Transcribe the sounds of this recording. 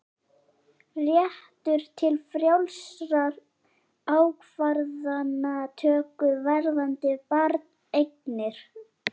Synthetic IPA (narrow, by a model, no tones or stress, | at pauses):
rjɛht̪ʏɾ̥t̪ʰɪlfɾjawlsɾaɾ | aːwkʰvaɾðanːat̪ʰœːkʏvɛɾðant̪ɪpaɾt̪nejk̚nɪɾ̥